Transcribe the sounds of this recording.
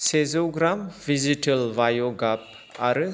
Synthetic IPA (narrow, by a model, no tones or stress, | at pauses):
sezoɡɾamviziʈəlvajoɡap̚ | aɾə